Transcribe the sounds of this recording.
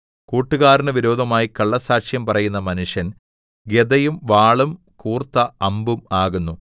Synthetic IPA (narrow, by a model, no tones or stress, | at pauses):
kuːʈːuɣaːɾinɨʋiɾo̞ːd̪ʱɐmaːjikɐɭːɐsaːʂjɐmpɐrɐjunːɐmɐnuʂjɐn | ɡed̪ɐjumʋaːɭum | kuːrt̪ːɐɐmbumaːɣunːu